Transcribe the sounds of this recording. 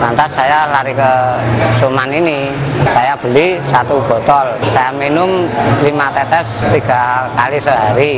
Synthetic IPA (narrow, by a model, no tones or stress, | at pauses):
mant̪asːajalaɾikəsumaninisajab̥ə̤lisat̪ub̥ɔ̤t̪ɔlsajaminʊmlimat̪ɛt̪ɛst̪iɡ̥a̤kalisəɦaɾi